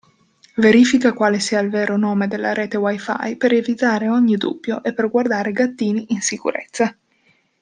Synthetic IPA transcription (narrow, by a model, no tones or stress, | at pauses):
veɾiːfikakwaːlesiːailvɛːɾonoːmed̪elːaɾeːt̪ewajfa̰jpeɾevit̪aːɾeɔɲːid̪ṵbːjoʔepːerɡward̪aːɾeɡat̪ːiːniʔːnsikṵɾḛt̪sːa